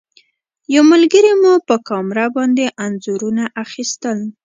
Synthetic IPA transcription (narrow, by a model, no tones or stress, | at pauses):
jawməlɡəɾimupəkɑmɾabɑnd̪eʔanzuɾunaʔaxist̪əl